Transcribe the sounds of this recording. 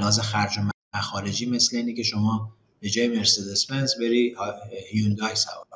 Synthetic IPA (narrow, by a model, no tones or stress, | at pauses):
hɒːzexæɾd͡ʒom | æxɒːɾe̞d͡ʒiːme̞sleiːnicʲʰe̞ʃo̞mɒː | b̥e̞d͡ʒɒːjeme̞ɾsed̪espenzbe̞ɾiːhhjund̪ɒjsæbo